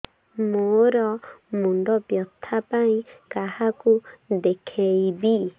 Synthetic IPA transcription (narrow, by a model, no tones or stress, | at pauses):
mõɾɔmũnd̪ɔpjɔt̪ʰapãĩkahakud̪ekʰeibi